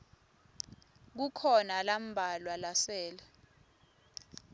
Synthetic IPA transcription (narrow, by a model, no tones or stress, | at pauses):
k̬ukʰɔnalam̩bʱalwalasɛːlɛ